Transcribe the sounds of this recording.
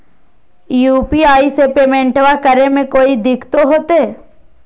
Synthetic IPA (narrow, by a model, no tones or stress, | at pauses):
juːpiaːisepeːmẽɳʈʋakəɾemẽkoːid̪ɪkʰt̪oɦoːt̪eː